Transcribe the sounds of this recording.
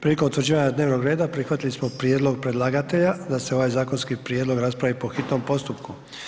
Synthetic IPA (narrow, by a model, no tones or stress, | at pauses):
pɾilikont̪ʋɾd͡ʑiːʋaɲad̪ne̞ːʋno̞ɡɾeːd̪apɾixʋat̪ilismo̞pɾijed̪lo̞ɡ̚pɾe̞d̪lˠaɡat̪e̞ʎad̪aseo̞ʋajzaːko̞nskipɾjed̪lo̞ɡɾaspɾaʋipo̞xit̪no̞mpo̞st̪upku